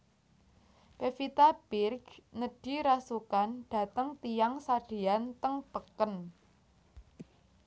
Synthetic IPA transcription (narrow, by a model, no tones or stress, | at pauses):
pefit̪ab̥ɪrɡnəɖ̥i̤ɾasukanɖ̥ä̤t̪əŋt̪ijaŋsaɖ̥e̤ant̪əŋpəkən